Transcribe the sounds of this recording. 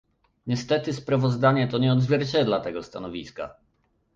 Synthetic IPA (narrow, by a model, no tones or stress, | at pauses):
ɲɛst̪ɛt̪ɘspɾavɔzd̪aɲɛt̪ɔɲɛɔd̪zvʲjɛɾt͡ɕɛd̪lat̪ɛɡɔst̪anɔvʲiska̰